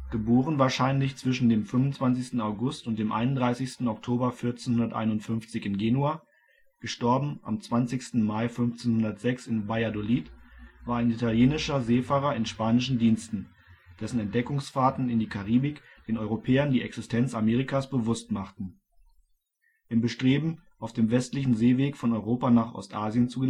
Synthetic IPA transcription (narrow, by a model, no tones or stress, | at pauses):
ɡ̥əboːʁ̞ənvaːɐʃaɪnlɪçt͡sv̥ɪʃn̩deːmfʏmʊnt͡sv̥ant͡sɪçstn̩aʊɡʊstʊntd̥eːmʔa̰ɪnʊndʁaɪsɪçstn̩ɔktʰoːbɐfɪɐt͡senhʊndɐtʔa̰ɪnʊntfʏnft͡sɪçɪnɡeːnuaː | ɡ̥əʃtɔɐbm̩ʔa̰mt͡sv̥ant͡sɪçstn̩maɪfʏnft͡senhʊndɐtz̥ɛksɪnbajadoliːtvaːɐaɪnitaljeːnɪʃɐzeːfaːʁɐɪnʃpaːnɪʃn̩diːnstn̩ | d̥ɛsn̩ɛnt̚d̥ɛkʊŋsfaːtn̩ɪndiːkʰaʁiːbɪk | d̥eːnɔʏʁopʰɛːɐndiːʔɛksɪstʰɛnt͡sameːʁ̞ikasb̥əvʊstmaχtn̩ | ʔɪmbəʃtʁ̥eːbm̩ | ʔaʊfd̥eːmvɛstlɪçn̩zeːveːkfɔnɔʏʁoːpanaːχʔɔ̰stʔaːzjənt͡suɡə